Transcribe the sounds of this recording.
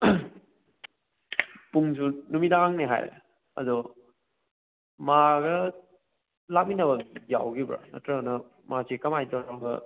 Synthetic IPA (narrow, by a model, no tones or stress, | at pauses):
puŋsunumidaaŋneɦa̰jɾḛ | ɐ̰dɔ | maɡɐ | lak̚minɐbɐja̰wɡibɾa̰nɐ̰tɾɐnɐ | masikɐmajtɔaɡɐ̰